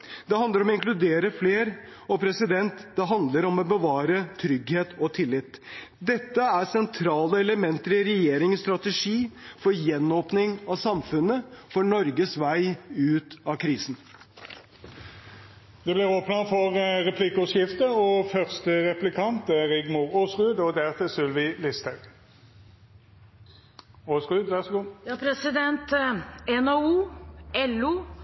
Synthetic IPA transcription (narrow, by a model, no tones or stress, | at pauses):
d̪ɛɦɑnd̪əɾɔmɔɪŋklʉd̪eːɾəfleːɾ | ɔpʰɾɛsɪd̪ɛnt̪d̪̥ɛɦɑnd̪ləɾɔmɔbəʋɑːɾət̪ʰɾʏɡheːt̪ɔt̪ʰɪlːɪt̪ː | d̪ɛt̪ːəæɾsɛnt̪ʰɾɑːləɛləmɛnt̪əɾɪɾɛjeːɾɪŋst̪ɾɑt̪əʂiːfɔɾjɛnːoːpnɪŋɑsɑmfʉnəfɔɳɔɾɡəsʋæɪʉːt̪ɑkʰɾiːsn̩ | d̪̥ɛblɪʁoːpnəfɔʁʁɛpʰlikɔsjɪft̪əɔfœʁst̪əʁɛplɪkʰɑnt̪ɛʁɪɡmuːʁoːsʁʉːd̪ɔd̪æʁt̪ʰɛsʉlʋɪlɪst̪ʰəɾ | oːsʁʉːd̪ʋæʁsɡuːjɑpʰɾɛsɪd̪ɛnt̪ɛnɑuːɛluː